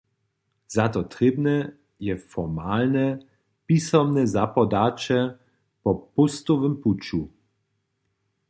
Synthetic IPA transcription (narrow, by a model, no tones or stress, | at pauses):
z̥at̪ɔt̪ʁeːbnɛ | jɛfɔmaːlnɛ | pisɔmnɛzapɔd̪aːt͡ʃɛ | pɔpust̪ɔvəmput͡ʃu